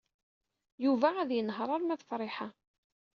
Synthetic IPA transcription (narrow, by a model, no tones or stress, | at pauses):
juvæːðjənəɦɾˤɑɾˤmæðəfɾˤɪħa